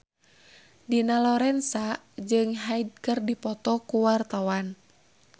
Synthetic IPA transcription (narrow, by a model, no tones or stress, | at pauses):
dinalɔɾɛnsa | d͡ʒɨŋɦaid̚kərdipɔt̪ɔkuwart̪awan